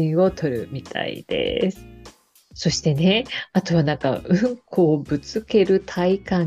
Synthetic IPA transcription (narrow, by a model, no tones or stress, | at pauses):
ĩo̞t̪ʰo̞ɾɯ̟mʲit̪ʰa̰ḭd̪̥ḛsɨ̥ | so̞ɕi̥t̪e̞ne̞at̪o̞βanãŋka̰ɯ̟̃ŋkʰo̞ːbɯ̟t͡sɨke̞ɾɯ̟t̪ʰaikã